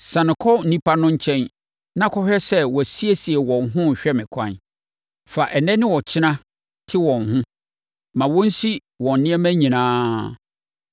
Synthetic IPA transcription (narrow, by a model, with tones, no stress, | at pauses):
sã˨nɪ̃˨kʰɔ˦n̩˨nĩ˦pʰa˦nʊ̃˦ɲ̩˦t͡ɕʰɛ̃˦n | nã˦kʰɔ˦ɕᶣɛ˦sɛ˦wɔ˨æ˨si˦e˦si˨e˨wɔ̃˨nɦʊ̃˦˨ɕᶣɛ˦mɪ̃˨kʷʰã̰˦˨n | fa˨ʔɛ˨nɛ̃˦nɪ̃˦wɔ˨t͡ɕʰɪ˦nã˦ | tʰɪ˦wɔ̃˨nɦʊ̃˦ | mã˨wɔ̃˦n̩˦si˦ | wɔ̃˨n̩˨nɪ̃˦ɛ˦mæ̃˦ɲĩ˨nãː˦